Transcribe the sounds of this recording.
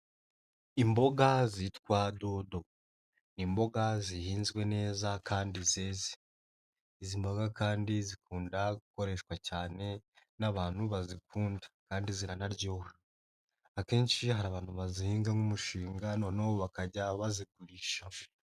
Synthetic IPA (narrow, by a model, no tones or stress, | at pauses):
imbo̞ɡazitkwaːdo̞do̞ | nimbo̞ɡazihiːnzɡwe̞ne̞ːzakʰaːndizeːze̥ | izimbo̞ɡakaːndizikuːndaɡuko̞ɾe̞ʃwacaːne̞naβaːn̥huβazikuːndḁkaːndiziɾanaɾɟo̞ | ake̞ːnʃiɦaɾaːβaːn̥huβazihiːŋɡaŋumuʃiːŋɡano̞ːnawoβakaɟaβaziɡuɾiʃa